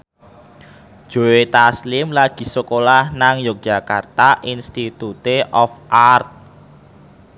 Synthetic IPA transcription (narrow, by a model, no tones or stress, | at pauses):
ʒ̥o̤et̪aslɪmlaɡ̥i̤sokolahnaŋjɔk̚ʒ̥a̤kart̪aʔinst̪it̪ut̪eʔɔfʔart̪̚